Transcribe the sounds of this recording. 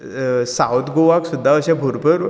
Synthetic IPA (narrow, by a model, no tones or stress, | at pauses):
sawt̪ɡoʋaksud̪ʱːaəɕabʱoɾpəɾ